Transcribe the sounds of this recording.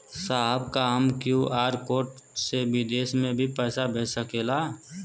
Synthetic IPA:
saɦbkaəmkjuʔaːɾkoːʈ | sebɪd̪eːsmẽbʱipɛːsabʱeːsəkeːlaː

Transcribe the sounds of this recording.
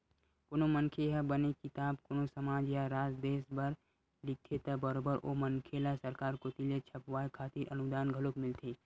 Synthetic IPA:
konoməŋkʰeɦabənekɪt̪aːbkonosɐmaːd͡ʒjaɾaːd͡ʒd̪eːsbɐɾ | ɖɪt̪ʰet̪ɐbəɾoːbəɾʔo̰mənkʰelasɐɾkaːɾkot̪ilet͡ʃʰɐpʋaːekʰaːt̪iɾʔənud̪aːnɡʱəlokmɪlt̪ʰeː

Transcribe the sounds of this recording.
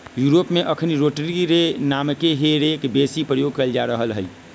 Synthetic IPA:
juɾopmeʔəkʰniɾoʈɾiɾenamkeɦeɾekbesipɾəjoɡ̚kəld͡ʒaɾəɦəlɦəj

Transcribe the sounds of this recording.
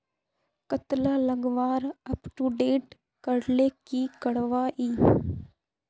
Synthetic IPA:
kət̪laləɡʋaːɾɐpʈuɖeːʈ | kəɽlekikəɽʋaːʔiː

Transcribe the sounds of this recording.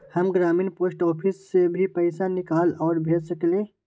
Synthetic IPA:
hɐmɡɾaːmiːnpoːsʈɔːpʰɪsːebʱipɛːɪsanɪkaːlɔːɾbʱeːd͡ʒsəklẽː

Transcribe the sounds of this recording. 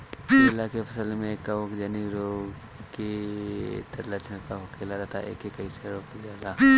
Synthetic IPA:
lːakefɐsəlmẽkɐʋʊkd͡ʒɐniɾoː | ki | t̪ʰɐɾlət͡ʃnəkaɦokʰeːlaɾɐt̪ʰa̰ʔḛːkekɐiseɾoːklialːaː

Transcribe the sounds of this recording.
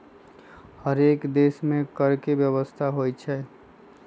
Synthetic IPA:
həɾekd̪esmẽkəɾkebjəβəst̪ʰaɦojt͡ʃʰɛ

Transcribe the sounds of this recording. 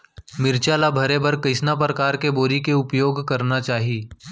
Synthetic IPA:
mɪɾt͡ʃaːlabʱɐɾebɐɾkɐɪsnap̬ɾɐkaːɾkeboːɾikeʊpjoːɡkɐɾnat͡ʃaːɦiiː

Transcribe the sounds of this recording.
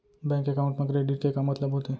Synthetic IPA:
bɛ̃ːŋkekaʊɳʈmẽkɾeːɖɪʈ̚kekamɐt̪ləbɦot̪eː

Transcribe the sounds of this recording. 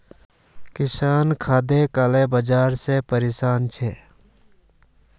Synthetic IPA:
kɪsaːnkʰaːd̪ekaːleːbəd͡ʒaːɾsepəɾeːsaːnt͡ʃʰeː

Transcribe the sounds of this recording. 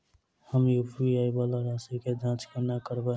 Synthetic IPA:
həmjopʰiaːibalaɾaːsiked̪ʱãːt͡ʃkenakəɾbə

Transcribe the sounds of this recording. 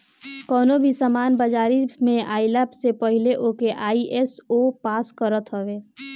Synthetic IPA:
kɔːnobʱisəmaːnbəd͡ʒaːɾimẽʔaːiləpsepəɦɪleʔoːkeʔaːiʔɛsopaːskəɾət̪ɦəʋeː

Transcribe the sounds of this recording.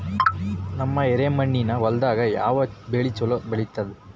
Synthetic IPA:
nɐmːɐeɾemɐɳːinɐʋɐld̪aːɡɐja̰ːʋɐbeɭit͡ʃɔlobeɭit̪ːɐd̪ɛ

